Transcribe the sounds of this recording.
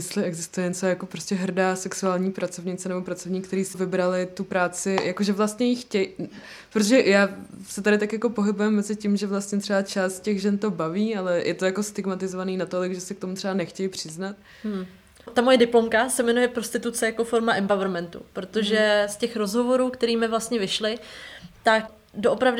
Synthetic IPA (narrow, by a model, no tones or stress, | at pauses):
mɪslɪɛɡzɪst̪ujɛɲɛt͡sojako̞pɾostcɛɦr̩daːsɛksuaːlɲiːpɾat͡so̞vɲɪt͡sɛnɛbo̞pɾat͡so̞vɲiːk̚t̪ɛɾiːsɪvɪbɾalɪt̪upɾaːt͡sɪjakoʒɛvlast̪ɲɛjɪxcɛj | pɾot̪oʒɛjaːsɛt̪adɪt̪akjako̞po̞ɦɪbujɛmːɛzɪcɪmʒɛvlast̪ɲɛt̪r̥ɛbat͡ʃaːst̪̚cɛɣʒɛnt̪o̞baviːalɛjʔɛt̪ojako̞st̪ɪɡmat̪ɪzovaniːnat̪o̞lɪɡʒɛsɛk̚t̪omut̪r̥ɛbanɛxcɛjɪpr̝̥ɪznat̪̩̚ | t̪amojɛdɪplo̞mkasɛmɛnujɛpɾo̞st̪ɪt̪ut͡sɛjako̞fo̞ɾmaʔɛmpavɾmɛnt̪ṵpɾot̪o̞ʒɛscɛxɾo̞zɦo̞vo̞ɾuːkt̪ɛɾiːmɪvlast̪ɲɛvɪʃlɪt̪ak | doʔopɾavdɪ